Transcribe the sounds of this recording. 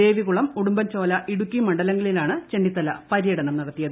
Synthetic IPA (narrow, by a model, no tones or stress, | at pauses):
e̞ːʋiɣuɭɐmuɽumbɐnt͡ɕo̞ːlɐʔiɽukʲːimɐɳɖɐlɐŋɡɐɭilaːɳɨt͡ɕeɳɖit̪ːɐlɐpɐɾijɐɽɐɳɐmniɽɐt̪ːijɐðɨ